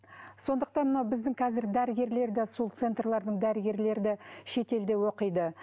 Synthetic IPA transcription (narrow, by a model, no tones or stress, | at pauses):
so̞nd̪əq̚t̪ɑnmənɑwbɪzd̪ɪŋqʰɑzɪɾd̪æɾɪɡʲe̞ɾle̞ɾɪd̪ɑsulˠt̪se̞nt̪rlˠɑɾd̪əɴd̪æɾɪɡʲe̞ɾle̞ɾɪd̪ɑʃe̞t̪e̞ld̪e̞wo̞qəjd̪ə